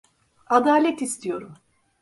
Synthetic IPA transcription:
ad̪aːlʲɛt̪ist̪ʰijo̞ɾum

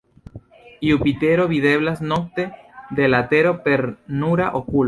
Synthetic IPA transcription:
iupit̪e̞ɾo̞βiðe̞βlasno̞k̚t̪e̞d̪elat̪e̞ɾo̞pe̞ɾnuɾaʔokul

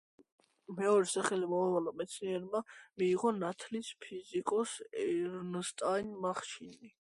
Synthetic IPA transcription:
mɛɔɾɛsaχɛlimɔavalamɛt̪sʰniɛɾmamiːʁɔnat̪ʰlispʰizikʼɔsɛɾnst̪ʼajnmaχʃini

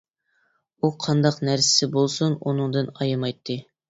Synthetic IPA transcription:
uqʰɑnd̪ɑqnæɾsɪ̥sɪbolˠsununɨŋd̪ɨnɑjɨmɑjt̪ʰːɨ

